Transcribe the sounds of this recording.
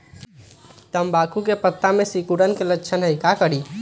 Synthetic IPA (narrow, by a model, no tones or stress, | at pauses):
t̪əmbakukepət̪ːamesikuɽənkelətːt͡ʃʰənɦəjkakəɽi